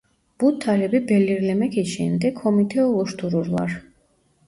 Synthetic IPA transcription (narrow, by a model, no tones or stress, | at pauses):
b̥ut̪ʰːaɾɛbibɛliɾlɛmɛkʰiʃɛ̰md̪ɛkʰhɔmit̪ʰɛɔlˠɔʃt̪ʰuɾuɾva̰ɾ